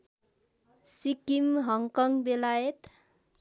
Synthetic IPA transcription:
sikimɦʌŋkʌŋbelajet̪

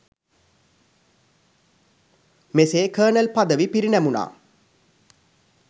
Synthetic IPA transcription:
meseːkəːnəlpad̪əʋipiɾinæmuna̰ː

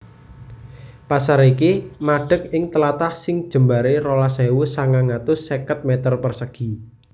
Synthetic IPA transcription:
pasaɾekemaɖ̥ə̤k̚ɪŋt̪əlat̪ahsɪŋd̥ʒ̥ə̤mbaɾeɾolasɛwusaŋaŋat̪ʊsːekət̪̚mɛt̪ərpərsəɡ̥i̤

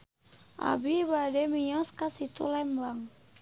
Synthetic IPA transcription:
ʔa̰bibadɛmijɔskasit̪ṵlɛmbaŋ

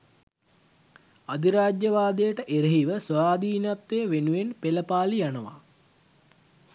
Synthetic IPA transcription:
ad̪iɾaːd͡ʒjəʋaːd̪əjəʈəʔeɾeɦiʋəsʋaːd̪iːnap̚t̪ːejːʋenuʋenpeləpaːlijanəʋa̰

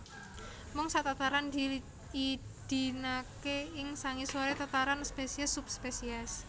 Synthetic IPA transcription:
mɔŋsat̪at̪aɾand̪i | id̪̥i̤nakeɪŋsaŋiswoɾet̪at̪aɾanspesiɛsup̚spesiɛs

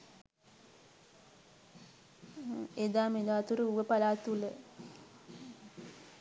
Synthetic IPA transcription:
ed̪aːmed̪aːt̪uɾəuʋəpalaːt̪ulə

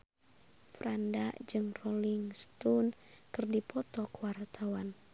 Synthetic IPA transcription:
fɾandad͡ʒɨŋrɔliŋst̪unkɨrdipʰɔt̪ɔkwart̪ʰawan

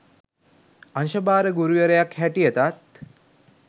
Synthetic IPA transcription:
anʃəbaːɾəɡuɾujəɾəjakhæʈijət̪at̪̚

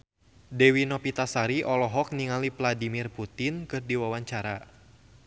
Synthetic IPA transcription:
dɛwinɔpit̪asaɾiʔɔlɔɦɔk̚niŋalivladimirput̪inkɨrdiwawaɲt͡ʃaɾa

